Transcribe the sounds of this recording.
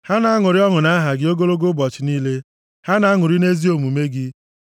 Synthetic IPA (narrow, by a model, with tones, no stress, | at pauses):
ha˦na˨a˦ŋʊ˨ɾɪ˦ɔ˦ŋʊ˨na˦ɦa˨ɡɪ˦o˦ɡo˦lo˦ɡo˦bɔ˨t͡ʃɪ˨niː˦le˦ | ha˦na˨˦ŋʊ˨ɾi˦ne˦zi˦o˨mu˨me˦ɡɪ˦